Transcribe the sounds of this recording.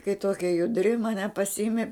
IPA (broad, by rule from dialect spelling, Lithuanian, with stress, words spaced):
kɐɪ ˈtoːkʲɛ jʊˈdʲrʲɪ mɐˈnʲɛ pɐsʲɪˈɪmʲɪ